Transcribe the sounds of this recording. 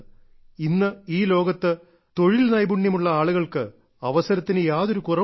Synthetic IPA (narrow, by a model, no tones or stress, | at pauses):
inːɨiːlo̞ːɡɐt̪ːɨ | t̪o̞ɻilnɐjbuɳːjɐmuɭːɐaːɭuɣɐɭkɨ | ɐʋɐsɐɾɐt̪ːinɨjaːðo̞ɾukurɐ